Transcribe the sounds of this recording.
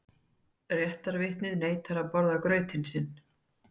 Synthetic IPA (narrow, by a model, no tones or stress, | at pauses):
rjɛht̪aɾvɪht̪nɪðneːjt̪ʰaɾapɔɾðakɾœːɥt̪ɪnsɪnː